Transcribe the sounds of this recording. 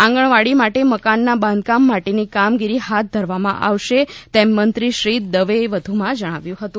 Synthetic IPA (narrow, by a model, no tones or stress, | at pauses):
ãŋɡəɳ̃ʋaɽimaʈeməkanːabãnd̪̚kamːaʈenikamɡiɾihat̪̚d̪ʱəɾʋamã̰ʔa̰ʋʃet̪ɛmːənt̪ɾiʃɾid̪əʋeʋəd̪ʱumãd͡ʒəɽ̃aʋjũɦət̪ũ